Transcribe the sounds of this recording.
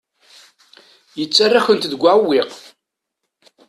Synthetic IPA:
jət͡sːarːaçənt̪ðəɡʷaʕwːɪq

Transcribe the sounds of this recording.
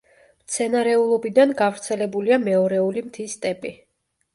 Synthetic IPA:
mt̪sʰɛnaɾɛulˠɔbid̪anɡavɾt̪sʰɛlɛbuliamɛɔɾɛulimt̪ʰist̪ʼɛpʼi

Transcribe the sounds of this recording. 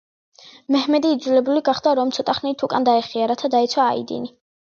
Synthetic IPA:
mɛhmɛd̪iːd̪zulɛbuliɡaχd̪aɾɔmt̪ʰɔt̪ʼaχnɛit̪ʰukʼand̪aɛχiaɾat̪ʰad̪aɛt̪sʰwaːḭd̪ḭni

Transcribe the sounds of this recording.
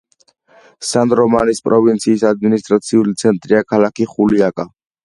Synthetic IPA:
sand̪ɾɔmanispʼɾɔvint̪sʰiːsad̪̚minist̪ʼɾat̪sʰiulit̪sʰɛnt̪ʼɾiakʰalakiχuliakʼa

